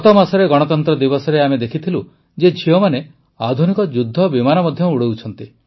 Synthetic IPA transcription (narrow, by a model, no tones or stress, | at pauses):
ɔt̪ɔmasɔɾeɡɔɽ̃ɔt̪ɔnt̪ɾɔd̪ibɔsɔɾeamed̪ekʰit̪ʰilu | d͡ʒed͡ʒʰʱiɔmane | ad̪ʱunikɔd͡ʒud̪ʱːɔbimanɔmɔd̪ʱjɔmuɽowt͡ʃʰɔnt̪i